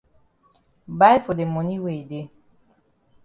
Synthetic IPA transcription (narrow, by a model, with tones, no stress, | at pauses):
ba˦jfo˨de˨mo˨ni˦we˨de˨˦